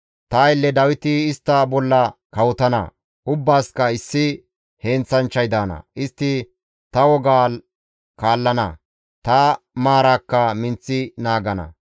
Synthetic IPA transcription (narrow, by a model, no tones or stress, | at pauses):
t̪ɐːɪlːɛd̪ɐwɪt̪ɪːst̪ːɐbɔlːɐkɐwɔt̪ɐnɐ̰ | ʔʊbːaːskɐɪsːɪ | heːnt͡sːɐnt͡ʃːɐjd̪aːnɐ̰ʔɪst̪ːɪ | t̪ɐwɔɡaː | kaːlːɐnɐ̰ | t̪ɐ | maːɾaːkːɐmɪnt͡sːɪnaːɡɐnɐ̰